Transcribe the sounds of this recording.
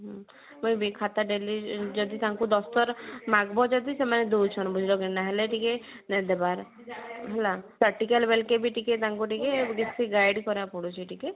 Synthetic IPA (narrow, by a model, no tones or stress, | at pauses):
ɦ | mujbikʰat̪aɖelid͡ʒɔd̪it̪aŋkud̪ɔst̪ɔɾmaɡbɔd͡ʒɔd̪isemaned̪uwt͡ʃʰɔnbud͡ʒʱilɔɡenaɦeleʈike | nd̪ebaɾ | ɦɔlapɾaɾ̚ʈikalbelkebiʈiket̪aŋkuʈikeɡisiɡajɖkɔɾapɔɽut͡ʃʰiʈike